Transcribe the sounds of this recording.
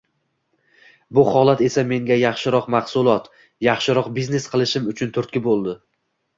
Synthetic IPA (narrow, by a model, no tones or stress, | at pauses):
bʊhɒlˠat̪e̞same̞ŋɡʲajɑχʃɪɾɒqmɑχsʊlˠɒt̪ | jɑχʃɪɾɒqbizne̞sqʰɨlˠɪʃɪmʊt͡ʃʰʊnt̪ʰʊɾt̪̚kʲɪbolˠd̪ɪ